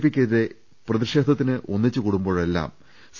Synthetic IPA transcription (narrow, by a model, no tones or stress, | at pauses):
pikʲːɐðiðe̞ | prɐðiʂe̞ːd̪ʱɐt̪̬ːinɨʔo̞̰nːit͡ɕːɨkuːɽumbo̞ːɭe̞lːa̰ːm | s